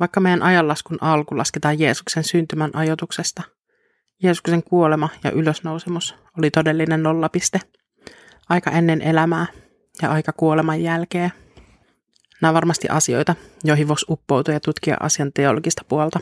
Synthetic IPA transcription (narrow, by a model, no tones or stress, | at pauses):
ʋɑikːɑmejænʔɑjɑlːɑskunʔɑlkulɑ̰sket̪ɑːjje̞ːsu̥ksensynt̪ymænʔɑjot̪uksest̪ɑ | jeːsu̥kse̞ŋkuolemɑjɑ̰ʔyløsnowsemus | olit̪o̞delːinenːolːɑpist̪e | ʔɑjkɑʔenːenʔelæmæː | jɑʔɑjkɑkuolemɑjːælkeː | næːʋɑrmɑst̪ḭʔɑsio̞̰jt̪ɑjoɦiʋosʔupːo̞wt̪ujɑt̪ut̪k̟iɑ̰ʔɑ̰siɑnt̪e̞oloɡist̪ɑ̥puolt̪ɑ